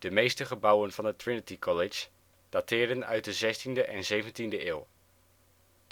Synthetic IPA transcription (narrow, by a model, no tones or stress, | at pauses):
d̥əmejstəχəbɑwənv̥ɑnətɹɪnətikʰɔlɪd͡ʒ | d̥atɪːɹdənœ̰ɥt̚dəzɛstindəʔɛnzejvəntindəɪːlˠ